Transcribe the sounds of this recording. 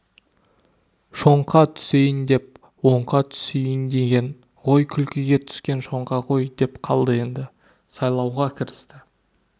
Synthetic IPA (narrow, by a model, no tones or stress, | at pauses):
ʃo̞ɴqɑt̪ʰʏ̥se̞jɪnd̪e̞p̚ | wo̞ɴqɑt̪ʰʏ̥sejɪnd̪e̞ɡʲe̞n | ʁo̞jkʲʰʏlkʲɪɡʲe̞t̪ʰʏ̥skʲe̞nʃo̞ɴqɑʁo̞jd̪e̞pqʰɑlˠd̪əe̞nd̪ɪ | sɑjlˠɑwʁɑkʲʰɪɾɪst̪ɪ